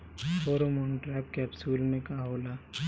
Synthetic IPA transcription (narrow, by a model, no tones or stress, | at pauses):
fʰoːɾomɔːnʈɾɛːp̚kɛbsuːlmẽkaɦoːlaː